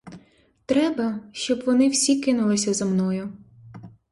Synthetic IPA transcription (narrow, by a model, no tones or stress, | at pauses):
t̪ɾɛbɐʃt͡ʃɔbʋɔnɪwsʲikɪnʊlˠɪsʲɐzɐmnɔjʊ